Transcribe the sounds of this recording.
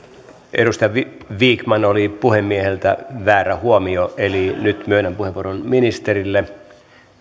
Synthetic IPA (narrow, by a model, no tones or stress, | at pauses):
ʔḛɾust̪ijɑʋʋiːkmɑnolipuhemːiehelt̪æ̰ʋæːɾæhuomioʔelinyt̪myøinæmpuheʋoronminist̪eɾilːe